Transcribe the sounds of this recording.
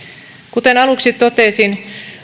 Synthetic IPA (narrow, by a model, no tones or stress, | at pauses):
kut̪enɑluksit̪ːot̪eˑsin